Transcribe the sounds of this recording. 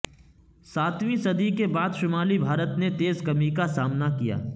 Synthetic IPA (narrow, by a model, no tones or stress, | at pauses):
saːt̪ʋĩsɐd̪ikebaːd̪ʃʊmaːlibʱaːɾət̪net̪eːzkɐmikasaːmnakija̰ː